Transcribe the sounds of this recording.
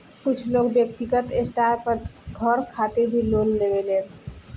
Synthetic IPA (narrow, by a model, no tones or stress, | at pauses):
kut͡ɕʰlokbek̚t̪ikat̪esʈapaɡʱɔɾkʰat̪ebʱilolːebele